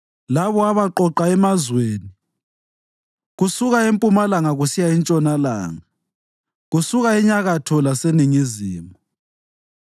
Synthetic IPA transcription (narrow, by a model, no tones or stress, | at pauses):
laβɔaβaǃɔǃaɛmazweːni | ɣusuɣaempʼumalaŋaɣusijaint͡ʃʼɔnala̰ːŋa | ɣusuɣaiɲaɣatʰɔlaseniŋizḭːmɔ